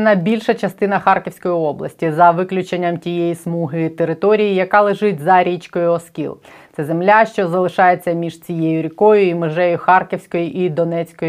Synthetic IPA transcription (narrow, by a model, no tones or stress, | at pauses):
nɐbʲilʲʃɐt͡ʃɐst̪ɪnɐxɑrkɪwsʲkɔjiɔblˠɐ̰sʲtʲizɐʋɪklʲʊt͡ʃenʲːɐmtʲijejismuɦɪt̪eɾɪt̪ɔɾʲijijɐkɑlˠeʒɪtʲzɐɾʲit͡ʃkɔjʊɔskʲḭlˠ | t̪sɛzemlʲaʃt͡ʃɔzɐlˠɪʃɑjet͡sʲːɐmʲiʒt͡sʲijejʊɾʲikɔjʊimɪʒɛjʊxɑrkʲɪwsʲkɔjʊʔid̪ɔnɛt͡sʲkɔj